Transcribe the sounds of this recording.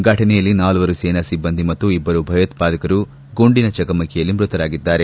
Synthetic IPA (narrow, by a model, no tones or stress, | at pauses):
ɡʱɐʈʰɐnɛjɐlːinaːlɐʋɐɾusɛːnɐsibːɐnd̪ʱimɐt̪ːuibːɐɾubʱɐjɐt̪paːd̪ɐkɐɾu | ɡoɳɖinɐt͡ʃɐkɐmɐkɛjɐlːimɾut̪ɐɾaːɡid̪ːaːɾe̞